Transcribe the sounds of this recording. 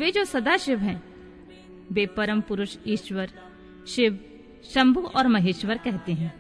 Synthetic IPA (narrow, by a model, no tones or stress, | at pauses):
ʋeːd͡ʒoːsɐd̪aʃɪʋɦɛ̃ː | beːpɐɾə̃mpʊɾʊʃiːʃʋəɾ | ʃɪʋ | ʃɐ̃mbʱuʔɔːɾmɐɦeːʃʋəɾkɛɦt̪eɦɛ̃ː